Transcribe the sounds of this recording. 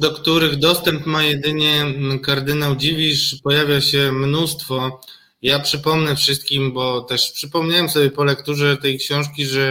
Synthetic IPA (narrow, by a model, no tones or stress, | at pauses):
d̪ɔkt̪uɾɘɣd̪ɔst̪ɛmpmajɛd̪ɘɲɛkaɾd̪ɘnawd͡ʑivʲiʂpɔjavʲjaɕɛmnust̪fɔ | japʂɘpɔmnɛfʂɘst̪kʲimbɔt̪ɛʂpʂɘpɔmɲawɛmsɔbʲjɛpɔlɛkt̪uʐɛt̪ɛjkɕɔ̃w̃ʂkʲiʐɛ